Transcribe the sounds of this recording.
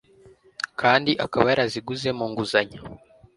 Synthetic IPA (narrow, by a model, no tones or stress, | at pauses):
kʰaːndiʔakaβajaɾaziɡuze̞muːŋɡuzaɲa